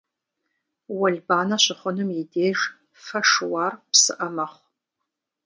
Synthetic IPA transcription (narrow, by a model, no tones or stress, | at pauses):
wɐɮbaːnɐɕʷɨχʷʊnɨmjideːʒ | fɐʂwaːrpsɨʔɐmɐχʷ